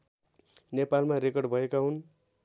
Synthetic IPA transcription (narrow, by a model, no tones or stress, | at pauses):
nepalmaɾekʌrɖbʱʌekaɦun